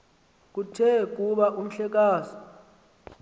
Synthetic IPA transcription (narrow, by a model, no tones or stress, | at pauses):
k̬utʰɛk̬uɓaʔum̩ɬɛk̬aːsɔ̥